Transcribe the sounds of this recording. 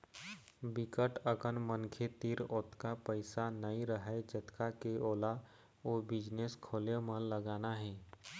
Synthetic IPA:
bɪkəʈəkənmənkʰet̪iɾoːt̪kapəɪsanəĩɾəɦed͡ʒət̪kakeoːla | oːbɪd͡ʒneːskʰoːlemə̃ləɡaːnaɦɛː

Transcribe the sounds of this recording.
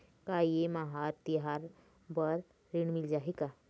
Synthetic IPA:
kajemaɦaɾt̪iɦaɾ | bəɾ | ɾiɳmild͡ʑaɦika

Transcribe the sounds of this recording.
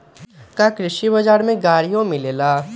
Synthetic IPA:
kakɾɪʃibɐd͡ʒaːɾmẽɡaːɾijõmɪleːlaː

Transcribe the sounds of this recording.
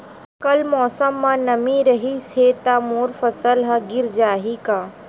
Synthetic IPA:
kɐlmɔːsəmːãnɐmĩɾɐɦiset̪amoːɾfɐsəlɦɐɡɪɾd͡ʒaːɦikaː

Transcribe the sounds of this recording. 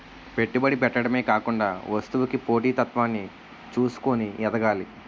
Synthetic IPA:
pe̞ʈːibɐɽipɛʈːɐɽɐme̞ːkaːkuɳɖa̰ːʋɐst̪uʋukipo̞ːʈiːt̪ɐt̪ʋaːnːi | t͡ʃuːsu̥koniɛd̪ɐɡaːli

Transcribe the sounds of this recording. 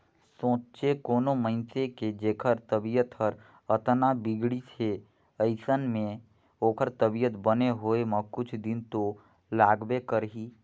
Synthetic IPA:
sõːt͡ʃekoːnoməɪnseked͡ʒeːkʰəɾt̪əbijət̪həɾ | ət̪nabɪɡɽisʰe | əɪsənmẽ | oːkʰəɾt̪əbijət̪bəneɦoːemə̃kʊt͡ʃʰd̪ɪnt̪o | laːɡbekəɾɦiː

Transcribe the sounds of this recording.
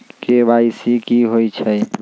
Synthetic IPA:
kebaisikiɦojt͡ʃʰɛ

